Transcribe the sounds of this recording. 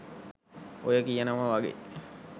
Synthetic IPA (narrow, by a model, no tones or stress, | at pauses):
ojəkijənəʋəʋaɡḛ